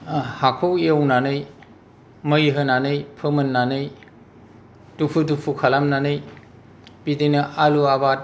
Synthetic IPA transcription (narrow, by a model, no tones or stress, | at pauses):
hakʰowiawnanɯj | məjɦɯnanɯjpʰɯmɯnːanɯj | dupʰudupʰukʰalamnanɯj | bidenɯʔaluabat̚